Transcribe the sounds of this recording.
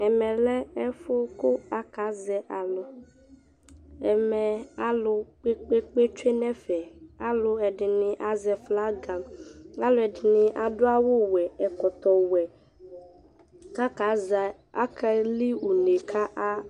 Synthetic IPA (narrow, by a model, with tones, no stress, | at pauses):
ɛ˨mɛ˨lɛ˦ɛ˦fʊ˦kʊ˦a˦ka˨˦zɛ˨ʔa˨lʊ˨ | ɛ˨mɛ˨a˦lʊ˦k͡pe˦k͡pe˦k͡pe˦t͡ʃe˦nɛ˦fɛ˨a˦lʊ˦ɛ˨dɪ˨nɪ˨ʔa˨zɛ˨fla˦ɡa˨ma˦lʊ˦ɛ˨dɪ˨nɪ˨ʔa˨dʊ˦a˦wʊ˦wɛ˨ɛ˨kɔ˨t̪ɔ˨wɛ˨ | ka˦ka˨˦za˨ | a˦kʰa˦li˦u˨ne˨kʰa˦ʔa˦